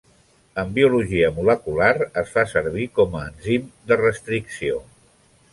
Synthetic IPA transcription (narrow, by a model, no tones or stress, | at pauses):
əmbiuluʒiəmuləkulaɾəsfasəɾβ̞ikɔməːnzimd̪ərəst̪ɾiksio